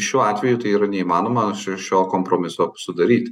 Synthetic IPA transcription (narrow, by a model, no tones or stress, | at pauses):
ʃʲuːɑːt̪ʲʋʲɛjʊt̪ɐɪiːɾɐnʲɛiːmɑːnoːmɐʃʲɪʃʲoːkoːmpɾoːmʲɪsoːsʊd̪ɐɾʲiːt̪ʲ